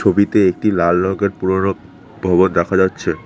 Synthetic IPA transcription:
obit̪eek̚ʈilalnɔɡeɾpuɾono | bʱɔbond̪ɛkʰad͡ʑatːɕʰe

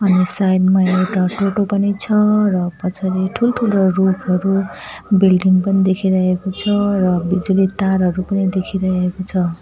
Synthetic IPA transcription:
ʌnisajnmʌjewʈaʈoʈopʌnit͡sʰʌrʌpʌt͡sʰaɾiʈʰulʈʰulorukʰʌɾu | bilɖiŋpʌnid̪ekʰiɾʌɦekot͡sʰʌɾʌbid͡zulit̪aɾɦʌɾupʌnid̪ekʰiɾʌɦɦekot͡sʰʌ

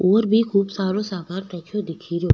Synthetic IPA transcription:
oːɾbʱikʰuːbsaːɾosaːkaːɾt̪ɛːt͡ʃʰod̪ɪkʰiɾoː

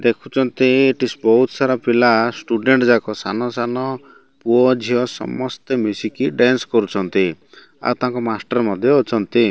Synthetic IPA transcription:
d̪ekʰut͡ʃʰɔnt̪ieʈisbɔɦut̪saɾɔpilasʈuɖeɳʈd͡ʒakɔsanɔsanɔ | puɔd͡ʒʱiɔsɔ̰mɔst̪emjusikiɖanskɔɾut͡ʃʰɔnt̪i | a̰wt̪aɦãŋkɔmasʈaɾmɔd̪ʱjɔːt͡ʃʰɔnt̪i

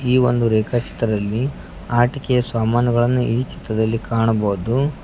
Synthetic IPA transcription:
iːʋo̞nd̪uɾeːkʰat͡ʃi̥t̪ɾɐd̪ɐlːi | aːʈikɛjɐsʋaːmaːnjɐɡɐɭɐnːuʔiːt͡ʃi̥t̪ɾɐd̪ɐlːikaːɳɐboːud̪u

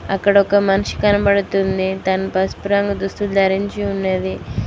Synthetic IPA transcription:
ɐ̰kːɐɽɐɔkɐmɐnuʂi̥kɐnɐbɐɽut̪und̪it̪ɐnɐpɐspuɾɐŋɡɐd̪ust̪uld̪ɐɾiɲt͡ʃiunːeːd̪i

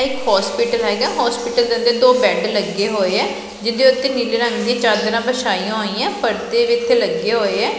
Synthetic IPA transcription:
ɪkhɔːspiːʈəlɦɛːɡaːɦɔːspɪːʈəld̪nd̪eːd̪oːbɛ̃ːɖləɡːeːɦoːeːɛː | d͡ʒɪnd̪eʊt̪ːeːniːleɾə̃ŋɡd̪ĩɛ̃ːt͡ʃaːɾd̪əɾãːbəʃaːiːãːɦoːiːãːpʰəɾt̪eːʋit̪ʰːeːləɡːeːɦoːeːɛː

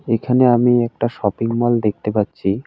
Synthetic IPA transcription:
ekʰaneamiɛk̚ʈaʃɔpiŋmɔld̪ek̚ʰt̪epatːɕʰi

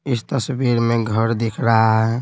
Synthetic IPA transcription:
ist̪əsbiɾmeɡʱəɾd̪ekʰɾaɦɛ

